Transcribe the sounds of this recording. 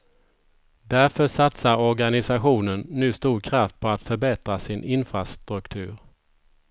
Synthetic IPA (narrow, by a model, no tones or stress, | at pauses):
d̪æɾfœʂat̪saɾɔɾɡanɪsaɧuːnənːʉ̟ːst̪uːɾkʰɾaft̪̚pʰɔat̪fœɾbɛt̪ɾasɪnʔɪnfɾast̪ɾɵkt̪ʰʉ̟ːɾ